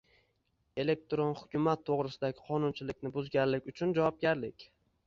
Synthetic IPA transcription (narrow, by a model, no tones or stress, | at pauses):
e̞le̞k̚t̪ɾonhʊkʲʰʊmat̪ʰːoʁɾɪsɪd̪aɡʲɪqʰɒnʊnt͡ʃʰɪlɪkʲnɪbʊzɡʲanlɪkʲʊt͡ʃʰʊnd͡ʒavɒp̚ɡʲaɾlɪkʲ